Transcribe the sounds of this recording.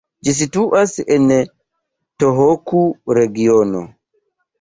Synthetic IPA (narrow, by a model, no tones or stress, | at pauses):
d͡ʒis̬ituʔasɛnɛ | toɦokuɾeɡiono̰